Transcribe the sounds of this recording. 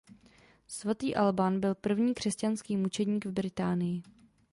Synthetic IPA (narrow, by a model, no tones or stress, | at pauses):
svat̪iːʔalbanbɪlpr̩vɲiːkr̥ɛscanskiːmut͡ʃɛdɲiːɡvbɾɪt̪aːnɪjɪ